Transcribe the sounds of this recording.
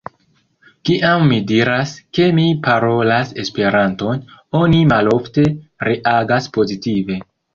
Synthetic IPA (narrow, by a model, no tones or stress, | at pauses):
kiʔamːidiɾaske̞mipaɾo̞lase̞spe̞ɾanto̞nonimalo̞fte̞ɾeʔaɡaspo̞zitive̞